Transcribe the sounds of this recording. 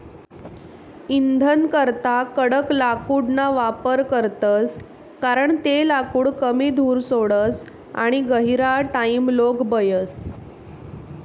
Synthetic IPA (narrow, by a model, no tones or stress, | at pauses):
ind̪ʱənkəɾt̪akəɽəklakuːɽnaʋapəɾkəɾt̪əs | kaɾəɳt̪elakuːɽkəmiːd̪ʱuːɾsoɽəs | a̰ɽ̃iɡəɦiɾaʈaimloɡbəjəs